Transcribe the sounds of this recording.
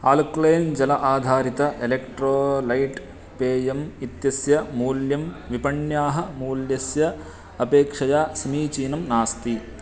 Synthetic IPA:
aːlkleːnd͡ʒɐlɐʔaːd̪ʱaːɾit̪ɐʔelekʈɾoːlɐjʈ | peːjɐmit̪jɐsjɐmuːljɐmʋipɐɳjaːɦɐ̆muːljɐsjɐ | ɐpeːkʂɐjaːsɐmiːt͡ʃiːnɐmnaːst̪i

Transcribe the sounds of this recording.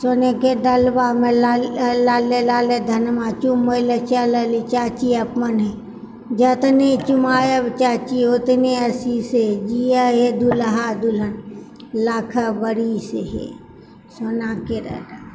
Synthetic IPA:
soneked̪ɐlbaːmelalaːlelaːled̪ʱɐnmãːt͡ʃumoilɐt͡ʃalɐlit͡ʃaːt͡ʃiɐpmɐnɦe | d͡ʒɐt̪ɐnet͡ʃumaːjɐbt͡ʃaːt͡ʃiot̪neɐsised͡ʒiaɦed̪ulɐɦad̪ulɐn | laːkʰabɐɽiseɦḛ | soːnaːkiɾɐ̰ɾ

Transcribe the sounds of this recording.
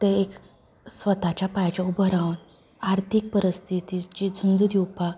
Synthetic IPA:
t̪əek | sʋət̪at͡ɕjapajt͡ɕaubʱəɾaʋn | aɾt̪ʰik̚pəɾəst̪ʰit̪id͡ʑid͡zʱund͡zd̪juwpak

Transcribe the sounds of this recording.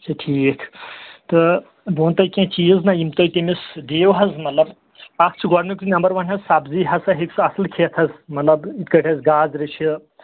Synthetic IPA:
t͡ʃʰɐʈʰiːkʰt̪ɨ | boːnt̪ɐjkʲẽt͡ʃiːznɐimt̪ojt̪emisd̪eːʋɦɐzmɐt̪lɐb | ɐk̚ʰt͡ʃʰɡɔɽnukɾinɐmbɐɾʋɐnɦɐzsabziːɦɐsɐɦeksɨɐsɐlkʰet̪ʰɐzmɐt̪lɐbit̪kɐʈʰʲɐzɡaːzɾiʃʰi

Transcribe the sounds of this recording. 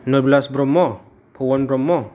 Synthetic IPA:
nɔblasbɾɔmːɔ | pʰɔwɔnbɾɔmːɔ

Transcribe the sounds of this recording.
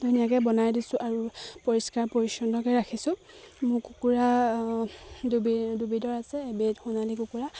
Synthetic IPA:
dunijakɛbɔnajdisʊʔaɹupoɹiskaɹpoɹisɔndɔkɛɹakʰisʊ̃ | mʊkukuɹa | dubidubidɔɹasɛbetxunalikukuɹa

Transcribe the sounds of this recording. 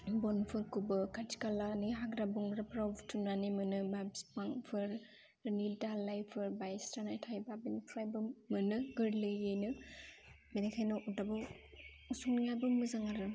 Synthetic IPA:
bɔnpʰɯɾkubɯkatʰi̥kalanɯɦaɡɾabuŋɡɾapɾawbtʰunanimɯnɯmabspaŋpʰɯɾ | nildalajpʰɯɾbajstanajtʰajbabinipʰɾajbɯːɯnɯɡɯɾlɯjɯjnɯ | menekʰajnɔʔudabaw | suŋniŋajbɯmɯzaŋaɾɯ

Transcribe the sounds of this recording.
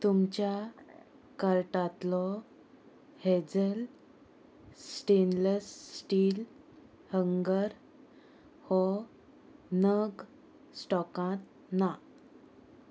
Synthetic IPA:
t̪umt͡ɕja | kəɾʈat̪lɔ | hed͡zəl | sʈenləsːʈil | həŋɡəɾ | hɔ | nəɡ | sʈɔkãt̪̚ | na

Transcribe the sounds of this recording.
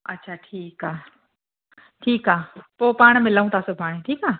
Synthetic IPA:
ɐtːʃʰaːʈʰiːkaː | ʈʰiːkaːpoːpaːɽ̃mɪlaːũt̪ʰaːsʊbʱaːɽ̃eʈʰiːkaː

